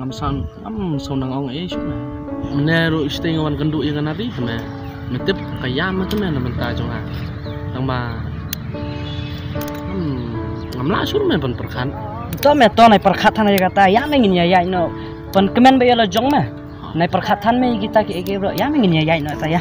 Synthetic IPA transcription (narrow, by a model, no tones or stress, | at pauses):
ŋamsan | a̰msawnaŋawŋesuɾme | mineɾuistejŋawanɡanduʔjeɡanaɾihame | metepkajamekɯmenamantazɔŋa | daŋma | ŋamla̰suɾmebanpəɾkʰan | tɔmetɔnajpəɾkʰatʰːanajaɡatajameŋinijajaj̚nɔ | pənkɯmenbajɔlɔd͡ʒɔŋme | najpəɾkʰatʰːanmeiɡitakieɡebɾɔʔjameŋinijajaj̚nɔetaja